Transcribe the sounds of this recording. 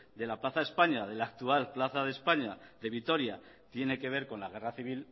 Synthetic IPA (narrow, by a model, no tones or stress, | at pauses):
d̪e̞laplaθae̞spaɲað̞e̞laːk̚t̪ualplaθaðe̞spaɲaðe̞β̞it̪o̞ɾja | t̪je̞ne̞ke̞β̞e̞ɾko̞nlaɣ̞e̞raθiβ̞il